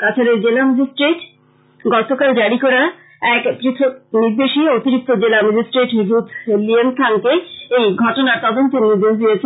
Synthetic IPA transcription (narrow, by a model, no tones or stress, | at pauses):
kat͡ɕʰoɾeɾd͡ʑelamad͡ʑisʈɾeʈ | ɡɔt̪okald͡ʑaɽikɔɾa | ɛkpɾit̪ʰoniɾd̪eʃiot̪iɾik̚t̪od͡ʑelamad͡ʑisʈɾeʈɦid̪ut̪ʰlient̪ʰaŋkeejɡʱɔʈonaɾt̪ɔd̪ont̪eniɾd̪eʃd̪ijet͡ɕʰe